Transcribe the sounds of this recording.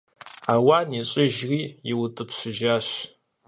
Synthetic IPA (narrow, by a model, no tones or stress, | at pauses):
aːwaːniɕʼɪʒriːjɪwtʼɨpɕʷʊʒaːɕ